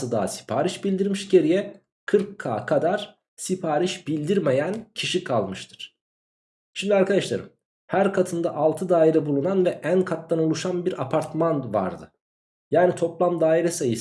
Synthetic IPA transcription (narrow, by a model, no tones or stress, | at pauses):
ɯd̪a̰ːsi̥pʰaːɾiʃbilʲd̪iɾmiʃɟe̞ɾijɛ | kʰɯɾkʰːa̰ːkʰad̪aɾ̥ | sipʰaːɾiʃb̥ilʲd̪iɾmejæncʰiʃikʰalˠmɯʃt̪ʰɯ̥ɾ̥ | ʃimd̪iaɾkʰad̪aʃlˠa̰ɾɯ̰m | hæɾkʰat̪ʰɯnd̪aʔalˠt̪ʰɯd̪aːiɾɛbulˠunanvɛʔænkʰat̪̚d̪anolˠuʃanbiɾʔapʰaɾt̪manva̰ɾd̪ɯ̰ | jaːnit̪ʰo̞plˠamd̪aːiɾɛsajɯs